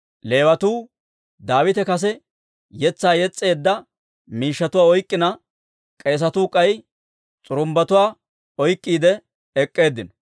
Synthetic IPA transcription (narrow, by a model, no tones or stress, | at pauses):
le̞ːwɐt̪uː | d̪aːwɪt̪ɛkɐs̬ɛ | jɛt͡sːaːjɛt͡sʼːe̞ːd̪ːɐ | miːʃːɐt̪ʊwaːɔjkʼːɪnɐ | kʼe̞ːs̬ɐt̪uːkʼɐj | t͡sʼʊɾʊmbɐt̪ʊwaː | ɔjkʼːiːd̪ɛ | ɛkʼːe̞ːd̪ːɪnɔ